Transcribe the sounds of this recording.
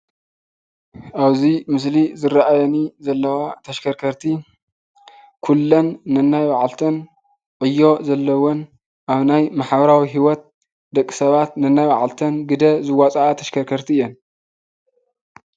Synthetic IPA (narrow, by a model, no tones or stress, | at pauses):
ʔaβzimɨs̬lizɨɾaʔajɐnizɐlːɐwat̪ʰɐʃkʰɐɾkʰɐɾt̪ʰi | kʰulːɐnːɨnːajwaʕalt̪ʰɐn | ʕɨjːo̞zɐlːɐwon | ʔaβnajmaħbɐɾawiɦiwɔt̪̚ | d̪ɐkʼːi̥sɐβat̪nɨnːajwaʕalt̪ʰɐnɡɨd̪ɐzɨwat͡sʼaat̪ʰɐʃkʰɐɾkʰɐɾt̪ʰiɨjːon